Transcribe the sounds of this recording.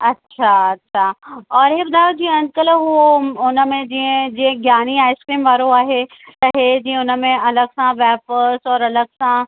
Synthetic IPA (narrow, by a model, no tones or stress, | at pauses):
ɐtːʃʰaɐtːʃʰaɔːɾɦeːbɐd̪d̪aːjod͡ʑĩə̃ɐ̃nd̪̚kəlɦuoʊnə̆mẽd͡ʑiə̃d͡ʑiːə̃ɡjaːniaːɪskɾiːmʋaːɾoaːɦe | t̪ɐɦed͡ʑĩːə̃ʊnə̆mẽɐləɡsãʋɛːpəɾsɔːɾɐləɡsã